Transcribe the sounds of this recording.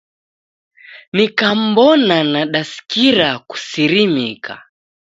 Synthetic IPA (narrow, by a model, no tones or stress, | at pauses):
nikam̩bɔnanaɗasi̥kiɾaku̥siɾimikʰa̰